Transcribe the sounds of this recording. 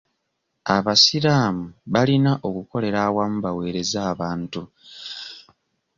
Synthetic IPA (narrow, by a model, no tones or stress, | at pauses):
a̰βasiɾaːmuβalinaʔo̞kuko̞le̞ɾawamuβawe̞ːɾe̞zaːβaːntu